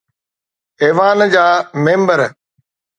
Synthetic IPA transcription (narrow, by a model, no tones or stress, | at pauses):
eːʋaːnd͡ʑaːmẽːmbəɾ